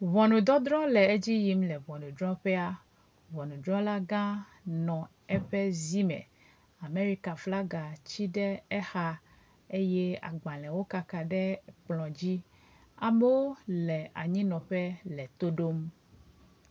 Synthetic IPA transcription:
vɔ˨nũ˨d̪ɔ˦d̪ɾɔ̃˦lɛ˨e˦d͡ʑi˦ji˨mlɛ˨vɔ˨nũ˨dɾɔ̃˦ɸɛ˦a˦ | vɔ˨nũ˨dɾɔ̃˦la˦ɡã˦ | nɔ̃˨ | ɛ˦ɸɛ˦zi˦mɛ̰̃˨ | a˨me˦ɾi˦ka˨fla˦ɡa˨t͡ɕi˦ɖɛ˦ɛ˦xa˦ | e˦jɛ˦a̰˨ɡ͡bã˨lɛ̃˨wo˦ka˨ka˨ɖɛ˦k͡plɔ̃˨d͡ʑi˦ | a˨me˦wo˦lɛ˨a˨ɲĩ˦nɔ̃˨ɸɛ˦lɛ˨t̪o˦ɖo˦m

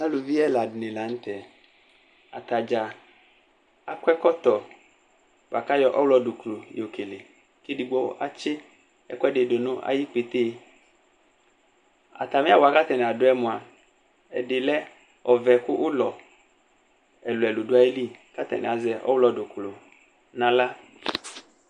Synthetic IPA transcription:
na˦lʊ˨vi˦ɛ˦la˨dɪ˨nɪ̃˨la˨n̩˦t̪ɛ˨ | a̰˨t̪a˨d͡ʒa˨ | a˨kwɛ˦kɔ˦t̪ɔ˨ | b̥a˨ka˦jɔ˦ʔɔ˦wlɔ˨dʊ˨klo˨jo˨kʰe˨le˨ | ke˦di˨ɡ͡bɔ̰˦ʔa̰˦t͡ʃɪ˦ | ɛ̰˦kɔ˦ɛ˦dɪ˨dʊ˨nʊ̃˦ʔa̰˦ji˦k͡pe˨t̪eː˦ | a̰˨t̪a˨mɪ̃˦a˦wɔ˨a˨ka˦t̪ɛ˨nɪ̃˨a˨dʊ˦ɛ˦mʊ̃˨a˨ | ɛ˨dɪ˨lɛ˦ | ɔ˨vɛ˨kʊ˦ʔʊ˦lɔ˨ | ɛ˨lʊ˨ɛ˨lʊ˨dʊ˦a˦e˦li˦ka˦t̪ɛ̰˨nɪ̰˨a˨zɛ˨ʔɔ̰˦wlɔ˨dʊ˨klʊ˨ | nã˨la˦

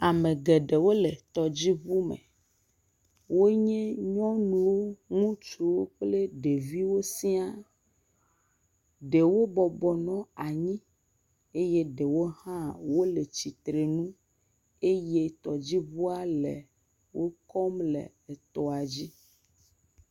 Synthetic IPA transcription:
a˨mẽ˨ɡe˨ɖe˨wo˦le˨t̪ɔ˨d͡ʑi˦βu˦mḛ̃˨ | wo˦ɲɛ̃˦ɲɔ̃˦nũ˦wo˦ŋũ˦t͡ʃu˨wo˦k͡ple˦ɖe˨vi˦wo˦si˦a˦ | ɖe˨wo˦bɔ˨bɔ˨nɔ̃˦a˨ɲĩ˦ | e˦je˦ɖe˨wo˦hã˦wo˦le˨t͡ɕi˨t̪ɾe˨nũ˦ | e˦je˦t̪ɔ˨d͡ʑi˦βu˦a˦lḛ˨ | wʔo˦kɔ˦mlḛ˨t̪ɔ˨a˨d͡ʑi˦

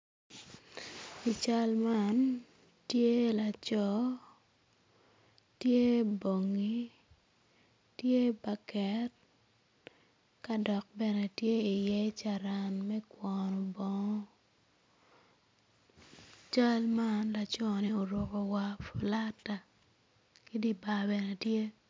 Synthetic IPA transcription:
i˨t͡ʃa˦lma˦n | tje˦la˨t͡ʃɔ˦ | tje˦bo˨ŋi˦ | tje˦ba˨kɛ˨˦t | ka˦dɔ˨k̚bɛ˨nɛ˨tje˦i˨jɛ˦t͡ʃa˨ɾa˨nmɛ˦kwɔnɔ˨bɔ˦ŋɔ˦ | t͡ʃa˦lma˦nla˨t͡ʃɔ˦ni˦o˨ɾo˨ko˨wa˦fu˨la˦ta˨ | ki˦di˦ba˨bɛ˨nɛ˨tje˦

